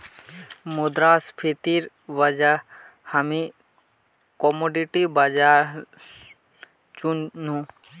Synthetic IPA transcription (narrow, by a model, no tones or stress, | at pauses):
mud̪ɾaspʰet̪iɾ | ʋad͡ʒa | hami | kɔmoɖiʈibad͡ʒaɾ | t͡ʃunnũ